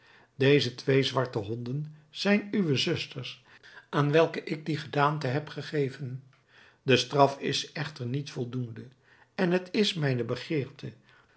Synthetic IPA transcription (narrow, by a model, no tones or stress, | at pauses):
dejzətʋejzʋɑɹtəɦɔndənz̥ɛjnyʋəzʏstəɹs | aːnʋɛlˠkəʔɪɡ̚diχədaːntəɦɛpχəχejvən | dəstrɑfɪ̰sɛχtəɹnitfɔlˠdundə | ɛnɦətɪsmɛjnəbəχɪːɹtʰə